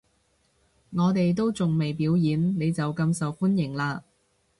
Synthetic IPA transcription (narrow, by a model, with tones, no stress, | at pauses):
ŋɔː˨˧t̪e˨jt̪o˥wt͡sʊ˨ŋme˨jpiː˨˥wjiː˨˥nne˨˧jt͡sɐ˨wkɐ˧msɐ˨wfu˥njɪ˨˩ŋlaː˧